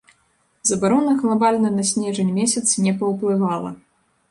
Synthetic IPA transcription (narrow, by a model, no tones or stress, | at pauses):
zɐbaɾɔnɐɣlˠabalʲnɐnɐsʲnʲɛʐɐnʲmʲɛsʲɐt̪snʲɛpɐwplˠɨvalˠɐ̰